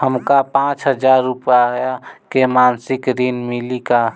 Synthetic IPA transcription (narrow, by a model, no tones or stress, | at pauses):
həmkapãːt͡ʃɦəd͡ʒaːɾːupjajakemaːnsɪkɾinmɪlika